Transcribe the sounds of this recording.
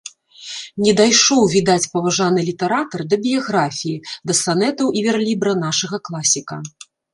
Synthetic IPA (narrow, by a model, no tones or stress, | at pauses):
nʲɛd̪ajʂɔwvʲid̪at͡sʲpɐvaʐanɨlʲit̪ɛɾat̪ɐrd̪ɐbʲijaɣɾafʲijid̪ɐsanɛt̪ɐwʔivʲɛrlʲibɾɐn̪aʂɐɣɐklˠasʲikɐ̰